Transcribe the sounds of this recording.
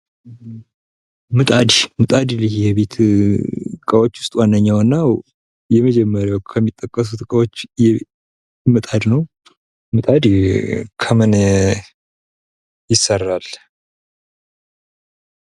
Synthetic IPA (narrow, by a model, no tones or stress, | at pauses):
mɨt̪ʼad̪imɨt̪ʼad̪ilihjɛβet̪ | kʼəwo̞t͡ʃːwʊst̪ʼwanːəɲːawɨnːaw | jɛməd͡ʒɛmːəɾjawkʰəmːit̪ʼːəkʼːəs̬ut̪kʼəwot͡ʃːjɛ | mɨt̪ʼad̪nəw | mɨt̪ʼad̪kʰəmɨn | jɪsərːal